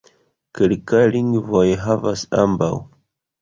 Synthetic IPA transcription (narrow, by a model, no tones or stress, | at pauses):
kelkajliŋɡvojɦavasa̰mbaw